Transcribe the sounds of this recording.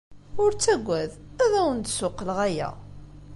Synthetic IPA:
ʊɾt͡sːæɡʷːæðæðæwənt̪sʊqːəlʁæjæ̰

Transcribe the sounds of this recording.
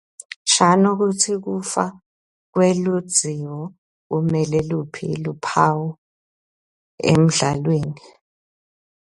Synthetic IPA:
ʃʰanuk̬utʰik̬ufa | k̬welud̥z̥ʱiwɔ | k̬umɛlɛlupʰḭlupʰawɔ | ḛm̩ɮalweːni

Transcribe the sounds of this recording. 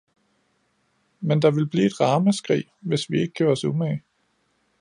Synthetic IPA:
mend̥ɑ̈ʋe̝lb̥liːe̝d̥ʁɑ̈ːməsɡ̥ʁḭːʋe̝sʋie̝ɡ̥əɡkʰjøːɐɒ̽sume

